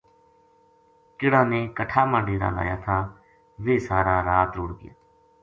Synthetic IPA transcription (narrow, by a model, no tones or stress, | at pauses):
kɪɽãːneːkəʈʰaːmãːɖeːɾa̰ːla̰ːjaːt̪ʰaː | ʋeːsaːɾaːɾaːt̪ɾʊɽɡɪ̰ja̰ː